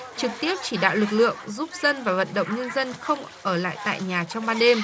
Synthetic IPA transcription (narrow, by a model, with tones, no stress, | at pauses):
t͡ɕɨ˨˩k̚t̪i˦˥əp̚t͡ɕi˧˩ɗa̰ː˧˨wlɨ˨˩k̚lɨ̰˧˨əŋzu˦˥p̚z̥ə˧nvaː˨˩və̰˧˨nɗə̰˧˨wŋ͡mɲə˧nzə˧nxə˧wŋ͡mʔəː˧˩la̰ː˧˨jt̪a̰ː˧˨jɲaː˨˩t͡ɕɔ˧wŋ͡mɓaː˧nɗe˧m